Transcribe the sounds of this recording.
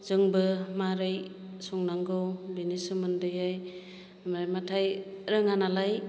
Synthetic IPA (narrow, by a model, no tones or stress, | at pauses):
z̥ɯŋbɯmaɾɯj | sɔŋnaŋɡɯwbinisɯmɯndɯjaj | mɾajmatʰajɾɯŋanalaj